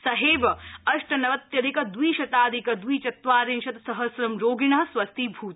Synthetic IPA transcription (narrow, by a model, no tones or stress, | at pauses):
sɐɦeːbɐɐʂʈɐnɐʋɐt̪jɐd̪ikɐd̪wiːʃɐt̪aːd̪ikɐd̪ʋiːt͡ʃɐt̪ʋaːɾinʃɐt̪sɐɦɐsɾɐmɾoːɡinɐɦɐsʋɐst̪ibʱuːt̪